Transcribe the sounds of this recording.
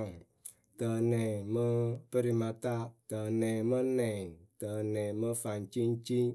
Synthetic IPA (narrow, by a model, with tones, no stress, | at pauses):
tə˨nɛ˨mə˦pə˦ɾi˧ma˧ta˦tə˨nɛ˨mə˦nɛ˨tə˨nɛ˨mə˧fa˨nt͡ʃi˦n˦t͡ʃi˦